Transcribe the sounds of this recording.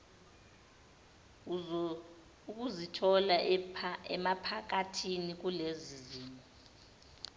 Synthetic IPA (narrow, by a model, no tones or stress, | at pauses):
uk̬ʼuzitʰɔla | ɛmapʰak̬atʰinik̬uleziziːmɔ